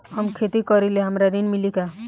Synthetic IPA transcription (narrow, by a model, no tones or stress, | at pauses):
həmkʰet̪ikɔɾileɦəmɾaɾinmilika